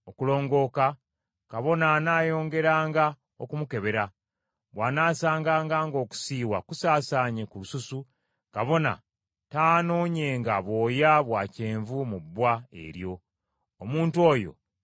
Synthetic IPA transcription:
okulo̞ːŋɡo̞ːka | kaβo̞nanaːjo̞ːŋɡe̞ɾaːŋɡa | okumuke̞βe̞ɾa | βwaːnaːsaːŋɡaːŋɡaːŋɡo̞ːku̥siːwakusaːsaːɲe̞kulususu | kaβo̞na̰ | taːno̞ːɲe̞ŋɡaβo̞ːjaβwaːce̞ːɱvumubːwae̞̰ɾjo̞ː | muːntuo̞ːjo̞̰

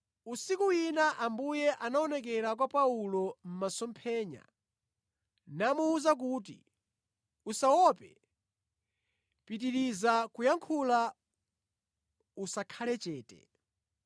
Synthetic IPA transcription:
usikuinaʔambujɛʔanaɔnɛk̬ɛɾakwapaulɔm̩masɔmpʰɛːɲa̰ | namuuzak̬uːt̬ḭ | usawɔpɛ | pit̬iɾizakujaŋkʰula | usakʰalɛt͡ʃɛːtɛ̰

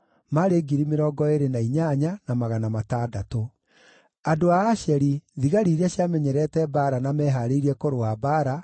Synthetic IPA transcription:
maɾeːɡiɾimeɾɔːɡɔeɾenaiɲaɲanamaɣanamataːdato | adoaːʃɛɾiðiɣaɾiːɾɛɕjamɛɲɛɾɛtɛbaɾanamɛːɦaɾeiɾiɛkoɾoabaːɾa

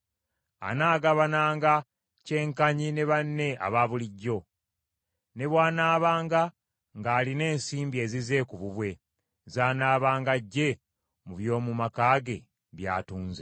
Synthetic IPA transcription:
a̰naːɡaβanaːŋɡa | ce̞ːŋkaɲine̞βanːe̞a̰βaβuliɟːo̞ | ne̞βwaːnaːβaːŋɡa | ŋɡaːline̞ːnsiːmbie̞ːzize̞kuβuβwe̞ | zaːnaːβaːŋɡaɟːe̞ | muβjo̞ːmumakaːɡe̞ | βja̰ːtuːnze

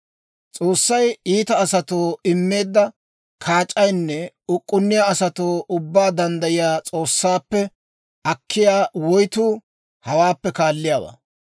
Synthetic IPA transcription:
t͡sʼo̞ːsːɐjiːt̪ɐːsɐt̪oːɪmːe̞ːd̪ːɐ | kʰaːt͡ʃʼːɐjnːɛ | ʊkʼːʊnːɪjaɐsɐt̪oːʔʊbːaːd̪ɐnd̪ɐjɪjaːt͡sʼo̞ːsːaːpːɛ | ɐkːɪjaːwɔjt̪uː | hɐwaːpːɛkaːlːɪjaːwa̰ː

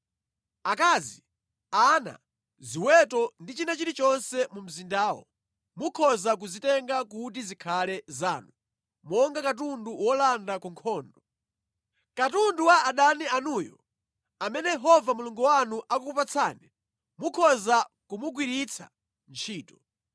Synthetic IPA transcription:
akaːzi | ana̰ | ziwɛtɔndit͡ʃinat͡ʃiɾit͡ʃɔnsɛmum̩zindaːwɔ̰ | mukʰɔzak̬uzitɛŋɡak̬ut̬izikʰalɛza̰ːnu | mɔŋɡakat̬unduwɔlandakuŋkʰɔːndɔ | katunduwaːɗanianujɔ̰ | amɛnɛjɛɦɔvamuluŋɡuwanuʔakukupat͡sʰaːnɛ | mukʰɔzakumuɡwiɾit͡sʰa̰ | nt͡ʃʰiːtɔ̥

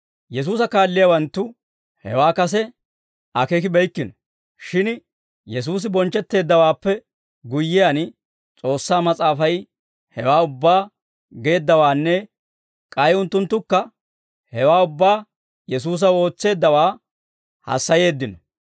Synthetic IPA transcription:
jɛs̬uːsɐkaːlːɪjawɐnt̪ːʊ | hɛ̰waːkɐsɛ | ʔɐkekɪbɛjkːɪnɔ | ʃɪn | jɛs̬uːs̬ɪbɔnt͡ʃːɛt̪ːe̞ːd̪ːɐwaːpːɛ | ɡʊjːɪjɐn | t͡sʼo̞ːsːaːmɐt͡sʼaːfɐj | hɛwaːʊbːaː | ɡe̞ːd̪ːɐwaːnːɛ | kʼɐjʊnt̪ːʊnt̪ːʊkːɐ | hɛwaːʊbːaː | jɛs̬uːs̬ɐo̞ːt͡sːe̞ːd̪ːɐwaː | hɐ̰sːɐje̞ːd̪ːɪnɔ

